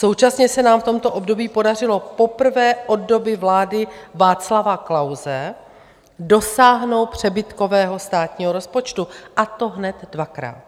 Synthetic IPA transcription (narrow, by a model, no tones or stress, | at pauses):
so̞wt͡ʃasɲɛsɛnaːmft̪o̞mt̪o̞ʔo̞bdo̞biːpo̞dar̝ɪlo̞po̞pr̩vɛːʔo̞ddo̞bɪvlaːdɪvaːt͡slavaklawzɛ | do̞saːɦnowt̪̚pr̝̥ɛbɪt̪ko̞vɛːɦo̞st̪aːt̪ɲiːɦoɾo̞spo̞t͡ʃt̪uʔat̪o̞ɦnɛt̪dvakɾa̰ːt̪̚